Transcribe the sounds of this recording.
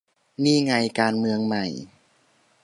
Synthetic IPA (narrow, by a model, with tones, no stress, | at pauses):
miː˧˥˩ŋa˧jkaː˧nmɯ˧əŋma˧˩j